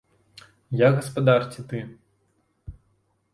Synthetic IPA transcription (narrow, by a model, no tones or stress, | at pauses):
jaɣɐspad̪art͡sʲit̪ɨ